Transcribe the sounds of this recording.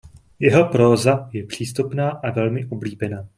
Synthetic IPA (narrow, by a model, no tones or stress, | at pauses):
jɛɦo̞pɾoːzajɛpr̝̥iːst̪upnaːʔavɛlmɪʔobliːbɛnaː